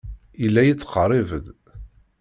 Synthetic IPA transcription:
ilːæjit͡sːqərˤivəd̪

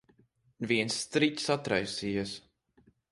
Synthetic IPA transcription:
viɛnsːt̪ɾicʲsat̪ɾa̰jsijas

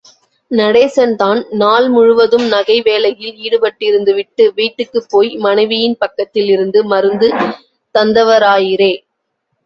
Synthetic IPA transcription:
nɐɽeːsɐnt̪aːnnaːlmʊɻʊʋɐðɯmnɐɣɐɪʋeːlɐjɪliːɽɯpɐʈːɪɾɯnd̪ɯʋɪʈːɯʋiːʈːɯkːɯpːoːjmɐnɐɪʋɪjɪnpɐkːɐt̪ːɪlɪɾɯnd̪ɯmɐɾɯnd̪ɯ | t̪ɐnd̪ɐʋɐɾaːjɪɾeː

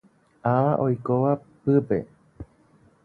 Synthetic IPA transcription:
aʋaʔojkoʋa | pɨpḛ

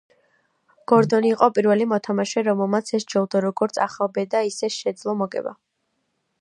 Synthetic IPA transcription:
ɡ̥ɔɾd̪ɔniːqʼɔpʼiɾvɛlimɔt̪ʰamaʃɛɾɔmɛlˠmat̪sʰɛst͡ʃʰɛlˠd̪aɾɔɡɔɾt̪sʰaχabɛd̪aisɛʃɛd̪zlˠɔmɔɡɛ̰ba̰

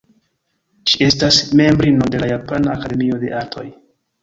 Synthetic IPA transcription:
t͡ʃie̞stasme̞mbɾinode̞lajapanaːkade̞mio̞de̞ʔaɾtʰo̞̰j

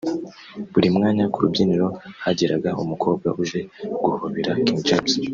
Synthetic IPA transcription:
βuɾimŋaːɲakuɾubɟiːniɾo̞haɟiɾaɡaumukʰo̞ːbɡa̰ʔuʒe̞ɡ̥uhoβiɾakiŋd͡ʒabs

